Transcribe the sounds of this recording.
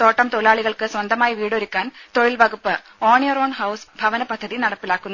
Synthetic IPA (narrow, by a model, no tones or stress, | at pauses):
t̪o̞ːʈːɐmt̪oɻiɭaːɭiɣɐɭkɨswɐnd̪ɐmaːjiʋiːɽo̞ɾukʲːaːnt̪o̞ɻilʋɐɣupːɨ | oːɳjɐroːɳhɐwsbʱɐʋɐnɐpɐd̪ʱːɐðinɐɽɐpːilaːkːunːu